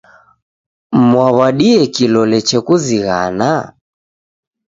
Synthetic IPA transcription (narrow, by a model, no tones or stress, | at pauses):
mwaβaɗiɛkilɔlɛt͡ʃɛkuziɣa̰na